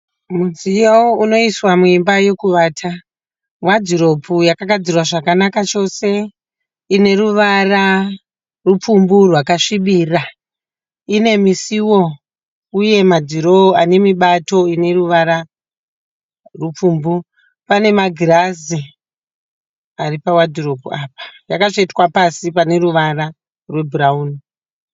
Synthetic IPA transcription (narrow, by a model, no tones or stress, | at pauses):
muzijawouno̞iswamuimbaje̞kuʋaːtʰa | mwad͡ziɾo̞pujakaɡʱad͡zirwaʐakanakat͡ʃo̞se̞ | ine̞ɾuʋara | rupumburwakaʂiɓiːra | ine̞misiwo̞ | uje̞mad͡ziɾo̞ane̞miɓato̞ine̞ruʋaɾa | rup͡fuːmbu | pane̞maɡʱirazi | aripawadʱiropuaːpḁjakaʐetwapasipane̞ɾuʋara | rwe̞burauːni